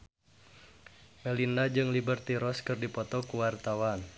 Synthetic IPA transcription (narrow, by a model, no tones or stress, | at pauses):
melinad͡ʒɨŋlibərt̪iɾɔskɨrdipɔt̪ɔkuwart̪awan